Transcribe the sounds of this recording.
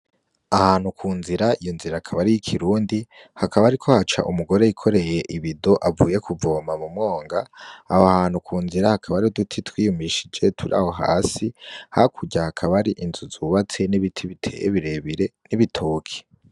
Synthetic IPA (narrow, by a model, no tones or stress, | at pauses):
ahaːnhukʰuːnziɾaijonziɾakʰaβaɾijikʰiɾuːndi | hakʰaβaɾikʰo̞hat͡ʃa̰ʔumuɡo̞ɾe̞ikʰo̞ɾe̞je̞ʔiβido̞ʔavuːje̞kuvo̞ːmamumŋo̞ːŋɡaːhoahaːn̥hukʰuːnziɾahakʰaβaɾidutʰitwiːjumiʃid͡ʒe̞tʰuɾa̰ho̞ɦa̰ːsihakʰuɟahakʰaβaɾiʔinzuzuβat͡se̞niβitʰiβitʰejḛβiɾe̞βiɾe̞niβitʰoːkʰe̥